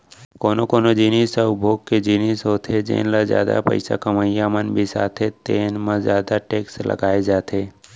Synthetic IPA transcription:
koːnokoːnod͡ʒɪnisəʊbʱoːɡ̚ked͡ʒɪniːsɦoːt̪ʰed͡ʒḛ̃ːnlazja̰ːd̪a̰pə̰ɪsa̰kəməjamənbʱisaːt̪ʰet̪eːnmə̃zjaːd̪aʈeːkslʔə̰ɡaːed͡ʒaːt̪ʰeː

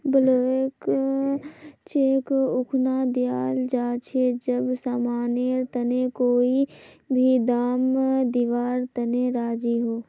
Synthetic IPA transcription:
bəloːek | t͡ʃeːkʊkʰnaːd̪ijaːld͡ʒaːt͡ʃʰed͡ʒəbsaːmaːneːɾt̪ɐnekoːibʱid̪aːmd̪iʋaːɾt̪ɐneɾaːd͡ʒiɦoː

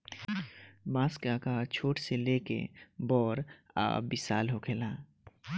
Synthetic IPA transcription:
mãːskakat͡ʃʰoːʈselekḛbɔːɾ | a̰ːbisa̰ːlɦokʰelã

